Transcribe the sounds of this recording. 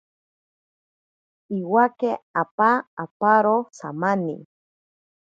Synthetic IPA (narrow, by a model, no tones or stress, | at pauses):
iwakeapaːpaɾosa̰manḭ